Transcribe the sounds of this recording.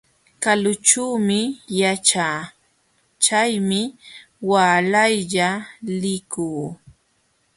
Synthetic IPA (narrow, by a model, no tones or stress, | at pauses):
kalʊt͡ʃuːmɪjat͡ʃaː | t͡ʃajmɪ | waːlajʎalɪkuː